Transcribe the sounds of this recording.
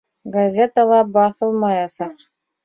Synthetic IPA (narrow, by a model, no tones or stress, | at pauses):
ɡazʲet̪alˠɑbɑθɤlˠmɑjɑsɑχ